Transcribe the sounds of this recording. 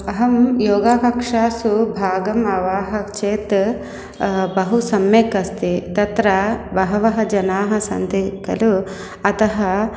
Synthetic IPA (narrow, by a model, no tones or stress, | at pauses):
ɐɦɐmjoːɡaːkɐkʂaːsubʱaːɡɐmɐʋaːɦɐkt͡ʃeːt̪ | bɐɦusɐmjeːkɐst̪it̪ɐt̪ɾɐbɐɦɐʋɐɦɐd͡ʒɐnaːɦɐ̆sɐ̰nt̪ikɐ̰lu | ɐt̪ɐɦɐ